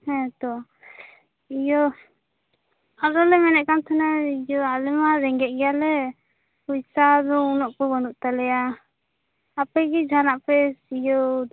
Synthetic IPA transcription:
hɛ̃t̪ɔ | ijɔ | aɾɔlɛmɛnɛʔkamt̪ʰanaijɔalɛmaɾɛŋɡɛʔ̚ɡɛjalɛ | pujsad̪ɔunɔʔkɔbɔnuʔt̪alɛja | apɛɡid͡ʒʱanaʔpɛsijɔ

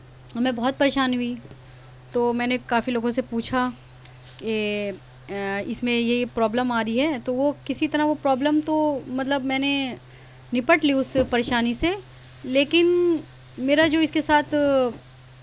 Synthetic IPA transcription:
ɐmẽbɐɦːɔt̪̚pɐɾeːʃaːnɦʊi | t̪oːmɛ̃ːnekaːfiloːɡõsepuːt͡ʃʰa | ke | ɪsmẽjepɾɔːbləmaːɾəiɦɛt̪oʋokɪsit̪ɐɾaʋopɾɔːbləmt̪omɐt̪ləbmɛ̃ːne | nɪpəʈliʊspɐɾeːʃaːnise | leːkɪn | meːɾad͡ʒoːɪskesaːt̪ʰ

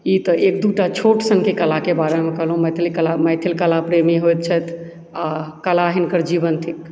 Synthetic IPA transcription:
it̪ɔʔek̚d̪uʈat͡ʃʰoʈsənkekəlakebaɾemekəɦlɦũmɛt̪ʰilkəlamɛjt̪ʰilkəlapɾemiɦojt̪̚t͡ʃʰət̪ʰ | akəlaɦinkəɾd͡ʒibənt̪ʰik

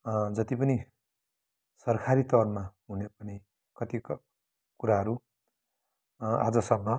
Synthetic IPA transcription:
d͡zʌt̪ipʌni | sʌrkʰaɾit̪ʌrmaɦunepʌni | kʌt̪ik | kuɾaɦʌɾu | a̰d͡zʌsʌɡmʌ

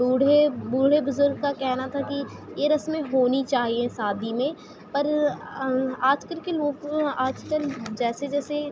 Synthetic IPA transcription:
uːɽebuːɽ̤ebʊzʊɾɡkakɛːɦnat̪ʰakijeɾɐsmẽɦoːnit͡ʃaːɦiẽsaːd̪ʱimẽ | pɐɾ | aːd͡ʒkəlkeloːɡaːd͡ʒkəld͡ʒɛːsed͡ʒɛːse

